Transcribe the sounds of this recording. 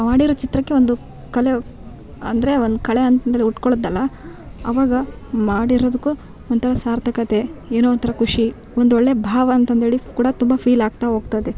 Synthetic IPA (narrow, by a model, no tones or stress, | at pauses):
maːɽiɾoːt͡ʃit̪ɾɐkːe̞ʋond̪u | kɐle̞ | ɐ̰nd̪ɐɾe̞ond̪ukɐɭeɐnt̪ɐnt̪ʰeɭiuʈkoɭod̪ɐlːɐ | ɐʋaːɡɐmaːɽiɾoːd̪ukːu | ont̪ʰɐɾɐsaːɾt̪ʰɐkɐt̪e̞eːnoʋɐnt̪ʰɐɾɐkuʂi | ond̪uoɭːebʱaːʋɐːnt̪ɐnt̪eːɭikuːɽɐt̪umbɐpʰiːlaːɡ̚t̪aɦoːɡ̚t̪ad̪e